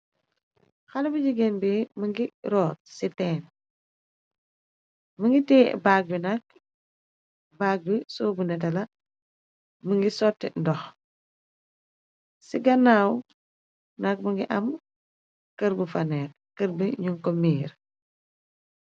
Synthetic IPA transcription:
xɐlɐbuɟiɡɛnbimɐŋɡiɾɔːt̚sitɛːn | mɐŋɡitɛ̰ːbaːk̚binɐk̚ | baːk̚bisɔːbunɛtɐlɐ | məŋɡisɔtːɛndɔx | siɡɐnaːw | nɐk̚mɐŋɡiʔɐm | kəɾbufɐnɛːk | kəɾbiɲuŋkɔmiːɾ

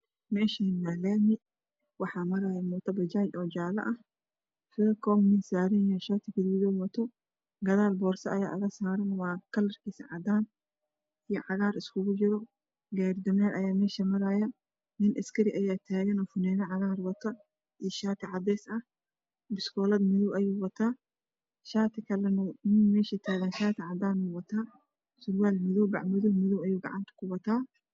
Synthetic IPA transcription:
mɛːʃɐnːalaːmɪ | wɑħaːmɐɾaːjɐmɔt̪ʰɐbɐd͡ʒaːt͡ʃɔːd͡ʒaːlɐ̰ʔɐh | fɛkɔmnɪnsaːɾɪnjɔʃaːt̪ʰɪkɪd̪iːjɔmɔt̪ʰɔ | ɡɐðaːlbɔːɾsɐʔɐjaːʔɐɣɐsaːɾɐnwaːkɐlɐrkiːsɐ̰ʕad̪aːn | ɪjɔʕɑɣaːɾɪskʊɣʊd͡ʒɪɾɔ | ɡɛːɾd̪ɐmɛːɾɐjaːmɛːʃɐmɐɾaːjɐ | nɪnʔɐskʰɐɾɪʔɐjaːt̪ʰaːɣɐnɔːfʊnɛːnɐʕɑɣaːrwɐt̪ʰɐ | ʔiʃaːt̪ʰɪʕɑd̪ɛːsɐh | bɪskʰɔːlɐd̪mɪðɔwʔɐjuːwɐt̪ʰaː | ʃaːt̪ʰɪkʰɐlɐnnɪnmɛːʃɐt̪ʰaːɣɐnʃaːt̪ʰɪʕɑd̪aːnʊwɐt̪ʰaː | sʊɾwaːlmɪðɔwbɑ̰ʕmɪðʊwmɪðuwɐjuːɡɑ̰ʕɑ̰nt̪ʰɐ̥kʰʊwɐt̪ʰaː

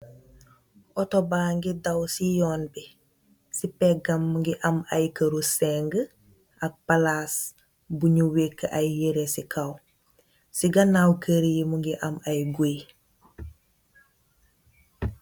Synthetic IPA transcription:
ʔɔtobaːŋɡidɐwsijɔːnbi | sipɛɡɐmːuŋɡiʔɐmɐjkəɾusɛŋɡə | ɐk̚palaːs | buɲuwekːəʔɐjːeɾesikʰɐw | siɡɐnawkəɾijimuŋɡiʔɐmɐjɡoj

